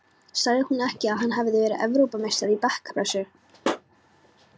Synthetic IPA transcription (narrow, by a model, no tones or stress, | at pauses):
saːɣðɪhunːɛhcɪaðɦanːɦaːvɪðvɛːɾɪɛ̰vɾowpamejst̪aɾipɛhkḁpɾɛsʏ